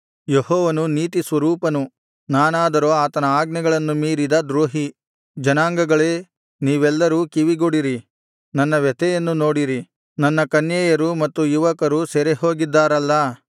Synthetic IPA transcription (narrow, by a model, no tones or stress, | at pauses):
jehɔːʋɐnuniːt̪isʋɐɾuːpɐnu | naːnaːd̪ɐɾoːaːt̪ɐnɐaːɡnɐɡɐɭɐnːumiːɾid̪ɐd̪ɾoːɦi | d͡ʒɐnaːŋɡɐɡɐɭeː | niːʋɛlːɐɾuːkiʋiɡoɽiɾi | nɐnːɐʋɛt̪ɛjɐnːuno̞ːɽiɾi | nɐnːɐkɐnjɛːjɐɾumɐt̪ːujuʋɐkɐɾusɛɾeɦo̞ːɡid̪ːaːɾɐlːɐ